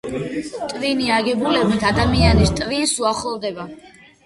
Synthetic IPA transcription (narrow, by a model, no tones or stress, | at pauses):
t̪ʼviniaɡɛbulɛbit̪ʰad̪amianist̪ʼvinsuaχɔld̪ɛba